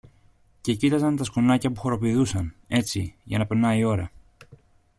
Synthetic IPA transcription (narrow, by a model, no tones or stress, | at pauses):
ce̞cit̪ɐzɐnt̪ɐskonɐcɐpuxo̞ɾo̞piðusɐne̞t͡siʝɐ̰nɐpe̞nɐio̞ɾɐ